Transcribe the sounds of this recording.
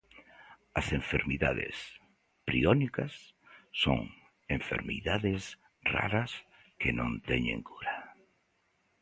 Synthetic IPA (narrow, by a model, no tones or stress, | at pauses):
ɐsẽɱfeɾmiðaðɪ̰s | pɾionikɐsːoŋ | eɱfḛɾmiðaðɪs | ra̰ɾɐs | kenõnt̪ɛɲḛ̃ŋkuɾa